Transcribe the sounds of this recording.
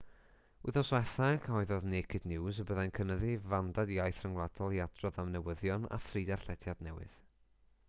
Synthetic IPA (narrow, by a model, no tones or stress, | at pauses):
uðɔswɛθaɡʰɔɨðɔðneːkʰɪdnɪwzəbəðajnkʰənəðivandadiajθrəŋwlˠadɔlˠiadrɔðamnɛwəðjɔna̰θriːdarɬɛdjadnɛwɨ̰ð̥